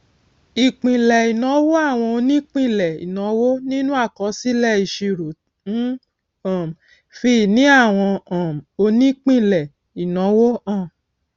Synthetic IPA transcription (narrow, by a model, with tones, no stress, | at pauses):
i˨k͡pĩ˨lɛ˨i˨nɔ̃˨˦wo˦a˦˨w̃ɔ̃˧o˧nĩ˦k͡pĩ˦˨lɛ˨ḭ˨nɔ̃˨˦wo˦nĩ˦nũ˦a˦˨kɔ˨˧˦si˦lɛ˦˨i˨ʃe˧ɾo˨ | n̩˦ | ã˨m˨ | fi˧˨nĩ˨˦a˦˨w̃ɔ̃˧ã˨m˨o˧nĩ˦k͡pĩ˦˨lɛ˨ | i˨nɔ̃˨˦wo˦ã˦˨